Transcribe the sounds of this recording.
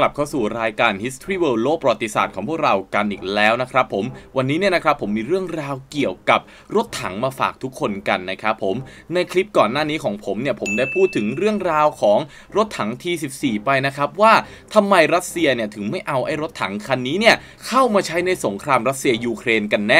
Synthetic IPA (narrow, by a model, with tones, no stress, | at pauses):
kla˨˩p̚kʰa˥˩wsuː˨˩ɾaː˧jkaː˧nhi˦˥st̪ʰɾiː˥˩wɤː˧loː˥˩pa˧wa˧˩t̪ːi˧sa̰ː˨˩t̪̚ʰɔː˩˦ŋpʰu˥˩kɾa˧wka˧nʔiː˨˩k̚lɛː˦˥wna˦˥kʰɾa˦˥pʰːo˩˦mwa˧nːiː˦˥ni˥˩ɐna˦˥kʰɾa˦˥pʰːo˩˦mːiː˧ɾɯ˥˩əŋɾaː˧wki˨˩əwka˨˩p̚ | ɾo˦˥t̪ʰːa˩˦ŋmaː˧fa̰ː˨˩k̚t̪ʰu˦˥kʰːo˧nka˧nːa˦˥kʰɾa˦˥pʰːo˩˦m | na˧jkʰli˦˥p̚kɔː˨˩nːaː˥˩niː˦˥kʰɔː˩˦ŋpʰo˩˦mni˥˩ɐpʰo˩˦mdaː˥˩jpʰuː˥˩t̪ʰːɯ˩˦ŋɾɯ˥˩əŋɾaː˧wkʰɔː˩˦ŋ | ɾo˦˥t̪ʰːa˩˦ŋt̪ʰiː˧si˨˩p̚siː˨˩pa˧jna˦˥kʰɾa˦˥p̚waː˥˩ | t̪ʰa˧mːa˧jɾa˦˥t̪̚si˧ɐni˥˩ɐt̪ʰɯ˩˦ŋma˥˩jʔa˧wʔa˥˩jɾo˦˥t̪ʰːa̰˩˦ŋkʰa˧nːiː˦˥ni˥˩ɐ | kʰa˥˩wmaː˧t͡ɕʰa˦˥jna˧jso˩˦ŋkʰɾaː˧mɾa˦˥t̪̚si˧ɐjuː˧kʰɾeː˧nka˧nːɛː˥˩